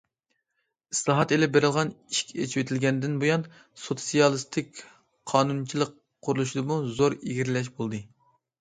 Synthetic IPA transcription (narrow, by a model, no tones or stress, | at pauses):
islˠɑɦɑt̪elɪp̚beɾɪlˠʁɑniʃkʲʰɛet͡ʃʰiwet̪ʰɪlɡʲɛnd̪ɪnbojɑn | sot̪sijɑlˠɨst̪ʰɪkʲ | qʰɑːnunt͡ʃʰilˠəqʰː | ʊɾulˠuʃid̪ɨmuzoɾiɡʲiɾlɛʃ̬bolˠd̪ɨ